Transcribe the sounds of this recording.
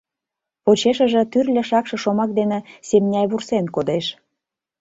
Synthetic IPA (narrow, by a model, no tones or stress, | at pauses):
pot͡ɕeʃə̆ʒĕt̪yrlʲĕʃɑkʃɤ̆ʃomɑk̚d̪enĕsemnʲɑjβursenkod̪eʃ